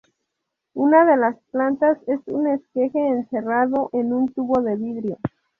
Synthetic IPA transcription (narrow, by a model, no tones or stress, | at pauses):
unaðe̞lasplant̪ase̞sṵne̞ske̞xe̞ːnseraðo̞ʔenunt̪uβo̞ðe̞βiðɾjo̞